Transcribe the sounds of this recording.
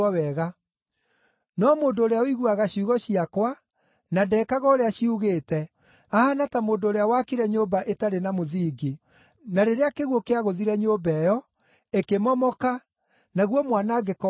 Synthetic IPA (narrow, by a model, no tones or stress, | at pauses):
wɛɣa | nɔmoːndoːɾeaoiɣuaɣaɕiuɣɔɕiakwa | nadɛkaɣɔoɾeaɕiuɣeːtɛ | ahanatamoːndoɾeawakiɾɛɲobaʔetaɾenamoðiːɡe | naɾeɾeakeɣwokeaɣoðiɾɛɲoːbɛjɔ | ekemɔmɔka | naɣwɔmwanaɡekɔ